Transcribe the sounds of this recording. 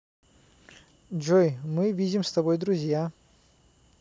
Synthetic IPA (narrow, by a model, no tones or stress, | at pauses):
d͡ʒojmɨvʲidʲɪmst̪ɐbojd̪ɾʊzʲja